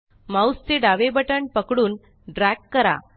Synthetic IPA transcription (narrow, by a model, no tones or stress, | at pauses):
mawst͡seɖaʋebəʈəɳpəkɽuːn | ɖɾækːəɾa̰